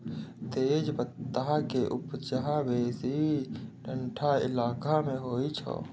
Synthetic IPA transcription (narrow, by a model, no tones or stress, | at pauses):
t̪eːd͡ʒbət̪ːaɦakeʔupt͡ʃəɦabeːsiɖʱəɳʈʰaɪ̰laːkameɦoːit͡ʃʰɔ̰